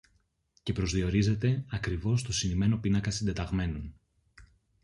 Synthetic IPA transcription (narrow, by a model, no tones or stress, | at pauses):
ce̞pɾo̞zðio̞ɾize̞t̪e̞ɐkɾivo̞st̪o̞sinime̞no̞pinɐkɐsind̪e̞t̪ɐɣme̞nun